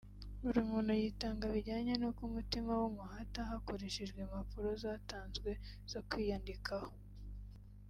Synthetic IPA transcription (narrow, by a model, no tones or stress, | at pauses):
uɾimuːnhujiːtaːŋɡaβiɟaːɲenokumutimawumuhataɦakoɾeʃiʒɡwemapuɾo̞zaːtaːnzɡwe̞z̥okwiːjandikʰaho